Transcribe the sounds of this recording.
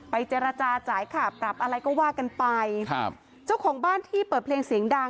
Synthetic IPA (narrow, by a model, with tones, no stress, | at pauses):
pa˧jt͡ɕeː˧ɾa˧t͡ɕaː˧t͡ɕaː˩˦jkʰa˥˩pɾa˨˩p̚ʔa˧ɾa˧jkɔː˥˩waː˥˩ka˧npa˧j | t͡ɕa˥˩wkʰɔː˩˦ŋbaː˥˩nt̪ʰiː˥˩pɤː˨˩t̚pʰleː˧ŋsi˨˩˦əŋdaː˧